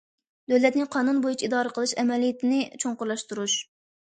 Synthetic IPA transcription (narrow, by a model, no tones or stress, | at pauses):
d̪øwlɛt̪nɪqʰɑːnunbojut͡ʃʰiid̪ɑːɾəqʰəlˠɨʃɛmɛlijɪt̪ʰɪnɪt͡ʃʰoŋqʊɾlˠɑʃt̪uɾuʃ